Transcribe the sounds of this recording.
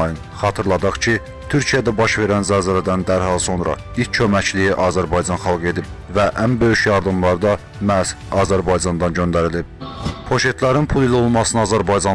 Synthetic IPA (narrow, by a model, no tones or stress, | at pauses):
jɯn | χɑt̪ʰɯɾlˠɑd̪ɑχt͡ʃʰi | t̪ʰyɾcʰijæd̪æbɑʃve̞ɾænzæzæɾæd̪ænd̪æɾhɑlˠso̞nɾɑ̰ilcʰømæclijiʔɑzæɾbɑjd͡ʒɑnχɑlˠɡe̞d̪ib̚væʔænbø̞jyʃjɑɾd̪ɯmlˠɑɾd̪ɑ | mæs | ɑːzæɾbɑjd͡ʒɑnd̪ɑnɟønd̪æɾilib̚pʰo̞ʃe̞t̪ʰlæɾinpʰulˠilo̞lˠmɑsɯnɯɑːzæɾbɑjd͡ʒɑn